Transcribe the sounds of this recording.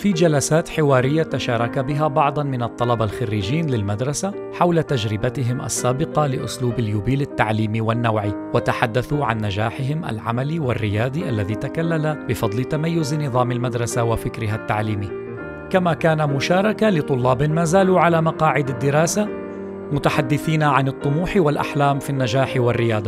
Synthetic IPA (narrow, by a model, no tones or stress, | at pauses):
fiːd͡ʒalasaːt̪ħɪwaːɾɪjːat̪aʃɑːɾˤɑkabɪɦabɑʕd̪ˤɑnmɪnɑt̪ˤːɑlɑbalxarːiːd͡ʒiːnlɪlmad̪ɾˤɑsa | ħawlat̪ad͡ʒɾɪbat̪ɪɦɪmʔa̰sːaːbɪqɑlɪʔʊ̰sluːbaljuːbiːlat̪ːaʕliːmiwanːawʕi | wat̪aħad̪ːaθuʕa̰nːad͡ʒaːħɪɦɪmʔa̰lʕa̰maliwarːɪjaːd̪ˤiʔalːaðiːt̪akalːalabɪfɑd̪ˤlɪt̪amajːʊznɨðˤɑːmalmad̪ɾˤɑsawafɪkɾɪɦat̪ːaʕliːmi | kamakaːnamʊʃaːɾˤɑkalɪt̪ˤʊlːɑːbɪmaːzaːluʕalamɑqɑːʕɪd̪ad̪ːɪɾɑːsa | mʊt̪aħad̪ːɪθiːnaʕanɨt̪ˤːʊmuːħwalʔa̰ħlaːmfinːad͡ʒaːħwɪrːɪjɑːd̪ˤɑ